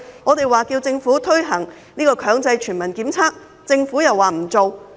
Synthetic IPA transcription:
ŋɔː˨˧t̪e˨jwaː˨˩ki˧wt͡sɪ˧ŋfuː˨˥t̪ʰɵ˥ɥɦɐ˨˩ŋ | niː˥kɔː˧kʰœː˨˥ŋt͡sɐ˧jt͡ʃʰyː˨˩nmɐ˨˩nkiː˨˥mt͡sʰaː˥k̚ | t͡sɪ˧ŋfuː˨˥jɐ˨˩wːaː˨˩m̩˨˩t͡so˨w

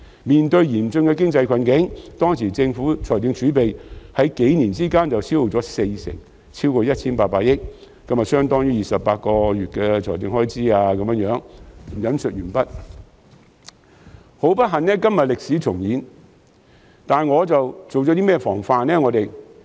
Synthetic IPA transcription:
miː˨˩nt̪ɵ˧ɥjiː˨˩mt͡sɵ˧nkɛ˧k̬ɪ˥ŋt͡sɐ˧jkʷʰɐ˨˧nkɪ˨˥ŋt̪ɔː˥ŋsiː˨˩t͡sɪ˧ŋfuː˨˥t͡sʰɔː˨˩jt̪i˧ŋt͡ʃyː˨˥pe˨jhɐ˨˥jke˨˥jniː˨˩nt͡siː˥kaː˥nt͡sɐ˨wt͡sʰiː˥wfo˨t͡sɔː˨˥se˧jsɪ̰˨˩ŋ | t͡sʰiː˥wkɔː˧jɐ˥t̚t͡sʰiː˥npaː˧t̚paː˧t̚jɪ˥k̚ | kːɐ˥mjɐ˨tsœː˥ŋt̪ɔː˥ŋjyː˥˩jiː˨sɐ˨pːaː˧t̚kɔː˧ɥyː˨t̚kɛː˧t͡sʰɔː˨˩jt̪ɪ˧ŋhɔː˥jt͡siː˥aː˧kɐ˨˧mjœ˧˥ŋjœː˨˥ŋm̩˨˩jɐ˨˧˥nsɵ˨t̚jyː˨˩npɐ˥t̚ | ho˨˥wpɐ˥t̚ɦɐ˨nnɛː˥kɐ˥mjɐ˨t̚lɪ˨k̚siː˨˥t͡sʰʊ˨˩ŋjiː˨˥n | t̪aː˨˩nŋɔː˨˧t͡sɐ˨wt͡so˨wt͡sɔ˨˥t̪̬iː˥mɛː˥fɔː˨˩ŋfaː˧nɛː˥ŋɔː˨˧t̪e˨j

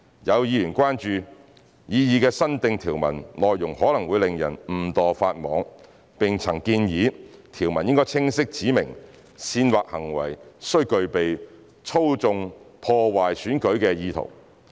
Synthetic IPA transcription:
jɐ˨˧wjiː˧jyː˨˩nkʷaː˥nt͡ʃyː˨ | jiː˨˧jiː˧kɛː˧sɐ˥nt̪ɪ˨˧ŋt̪ʰiː˨˩wmɐ̰˨˩nlɔː˨jːʊ˨˩ŋhɔː˨˥lɐ˨˩ŋwu˨˧jlɪ˨ŋjɐ̰˨˩nm̩˨˩t̪ɔː˨faː˧t̚mɔː˨˥ŋ | pɪ˨ŋt͡sʰɐ˨˩ŋkiː˧njiː˨˧˥t̪ʰiː˨˩wmɐ˨˩njɪ˥ŋkɔː˥jt͡sʰɪ˥ŋsɪ˥k̚t͡siː˨˥mɪ˨˩ŋ | siː˧nwaː˨k̚hɐ˨˩ŋwɐ̰˨˩jsɵ˥ɥkɵ˧ɥpe˨j | t͡sʰo˥wt͡sʊ˧ŋpʰɔː˧waː˨jsyː˨˥nkɵ˨˥ɥkɛː˧jiː˧t̪ʰo̰˨˩w

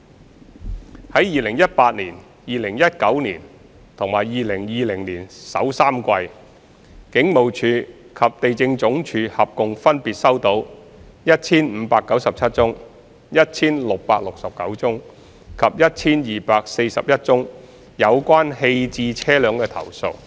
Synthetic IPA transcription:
hɐ˨˥jiː˨lɪ˨˩ŋjɐ˥t̚paː˧t̚niː˨˩n | jiː˨lɪ˨˩ŋjɐ˥t̚kɐ˨˥wniː˨˩n | t̪ʰʊ˨˩ŋmaː˨˩jjiː˨lɪ˨˩ŋjiː˨lɪ˨˩ŋliː˨˩nsɐ̰˨˥wsaː˥mkʷɐ˧j | kɪ˨˥ŋmo˨wt͡ʃʰyː˧ | kʰɐ˨p̚t̪e˨jt͡sɪ˧ŋt͡sʊ˨˥ŋt͡ʃʰyː˨˧hɐ˨p̚kʊ˨ŋfɐ˥npiː˨t̚sɐ˥wt̪o˨˥w | jɐ˥t̚t͡sʰiː˥nm̩ː˨˧paː˧kːɐ˨˥wsɐ˨p̚t͡sʰɐ˥t̚t͡sʊ˥ŋ | jɐ˥t̚t͡sʰiː˥nlʊ˨k̚paː˧k̚lʊ˨k̚sɐ˨p̚kɐ˨˥wt͡sʊ˥ŋ | kʰɐ˨p̚jɐ˥t̚t͡sʰiː˥njiː˨˩paː˧k̚se˧jsɐ̰˨p̚jɐ˥t̚t͡sʊ˥ŋ | jɐ˨˧wkʷaː˥nhe˧jt͡siː˧t͡sʰɛː˥lœː˨˧ŋkɛː˧t̪ʰɐ̰˨˩wso̰˨˧w

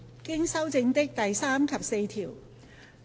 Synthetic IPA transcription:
kɪ˥ŋsɐ˥wt͡sɪ˧ŋt̪ɪ˥k̚t̪ɐ˨jsaː˥mkʰɐ˨p̚se˧jt̪ʰiː˨˩w

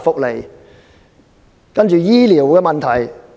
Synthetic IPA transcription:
fʊ˨k̚le˨˩j | kɐ˥nt͡ʃyː˨˧jiː˥liː˨˩wkɛː˧mɐ˨nt̪ʰɐ˨˩j

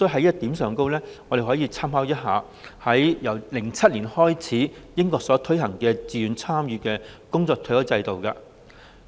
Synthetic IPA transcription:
so˥ɦɐ˨˥jɐ˥t̚t̪iː˨˥msœː˨ŋko˥wlɛː˥ŋɔː˨˧ɾe˨˩jɦɔː˨˥jiː˨˧t͡sʰaː˥mhaː˨˥wjɐ˥t̚ɦaː˨˧ | hɐ˨˥jjɐ˨˩wlɪ˨˩ŋt͡sʰɐ˥t̚liː˨˩nhɔː˥jt͡sʰiː˨˥jɪ˥ŋkɔː˧k̚sɔː˨˥t̪ʰɵ˥jɦɐ˨˩ŋkɛː˧t͡siː˨˧jyː˨˧nt͡sʰaː˥mjyː˨˧kɛː˧kʊ˥ŋt͡sɔː˧kt̪ʰjɐ˨˥wt͡sɐ˧jt̪o˨wkaː˧

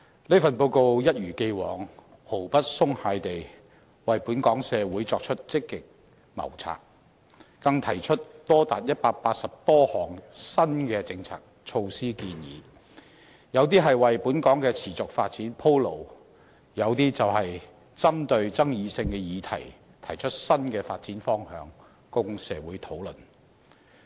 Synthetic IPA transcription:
le˥fɐ˨npo˧wko˨wjɐ˥t̚ɥyː˨˩ke˧jwɔː˨˩ŋ | ho˨˩wpɐ˥t̚sʊ˥ŋhaː˨˧jt̪e˨j | wɐ˨jpuː˨˥nkɔː˨˥ŋsɛː˨˧wuː˨˥jt͡sɔː˧k̚t͡ʃʰɵ˥t̚t͡sɪ˥kːɪ˨k̚ | mɐ̰˨˩wt͡sʰa̰ː˨k̚ː | ɐ˧ŋt̪ʰɐ˨˩jt͡ʃʰɵ˥t̚t̪ɔː˥t̪aː˨t̚jɐ˥t̚paː˧k̚paː˧t̚sɐ˨p̚t̪ɔː˥hɔː˨˩ŋsɐ˥nkɛː˧t͡sɪ˧ŋt͡sʰa̰ː˨k̚t͡ʃʰo˧wsiː˥kiː˧njḭː˨˧ | jɐ˨˧wt̪iː˥ɦɐ˨jwɐ˨jpuː˨˥nkɔː˨˥ŋkɛː˧t͡sʰiː˨˩t͡sʊ˨k̚faː˧t̚t͡siː˨˥npʰo˥wlo˨˩w | jɐ˨˧wt̪iː˥t͡sɐ˨whɐ˨j | t͡sɐ˥mt̪ɵ˧ɥt͡sɐ˥ŋjiː˨˧sɪ˧ŋkɛː˧jiː˨˧t̪ʰɐ̰˨˩j | t̪ʰɐ˨˩jt͡ʃʰɵ˥t̚sɐ˥nkɛː˧faː˧t̚t͡siː˨˥nfɔː˥ŋhœː˨˧ŋ | kʊ˥ŋsɛː˨˧wuː˨˥jt̪ʰo˨˥wlɵ˨n

